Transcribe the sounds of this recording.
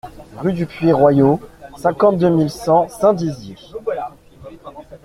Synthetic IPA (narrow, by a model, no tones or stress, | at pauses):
ʁyd̪ypɥeʁwajosɛ̃kɑ̃t̪̚d̪ømilsɑ̃sɛ̃d̪izje